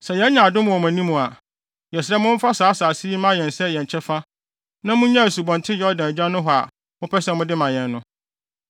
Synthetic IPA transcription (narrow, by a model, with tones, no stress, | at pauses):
sɛ˨jɛ˦ɲã˨dʊ̃˦mʊ̃˨wɔ˨m˨æ̃˨nĩ˦mũ˨a˨ | jɛ˨sɾɛ˦mʊ̃˦m˦fa˦saː˨˦saː˨si˦i˦mã˦jɛ̃˨nsɛ˦˨jɛ˨ɲ˨t͡ɕʰɛ˦fa˦ | nã˦mʊ̃˦ɲã˦˨su˨bɔ̃˨ntʰɪ˦jɛ˨˦ɔ˦dã˨d͡ʑã˦nʊ̃˦ɦɔ˨a̰˨ | mʊ̃˦pʰɛ˦sɛ˦mʊ̃˦dɪ˦mã˨jɛ̃˨nːʊ̃˦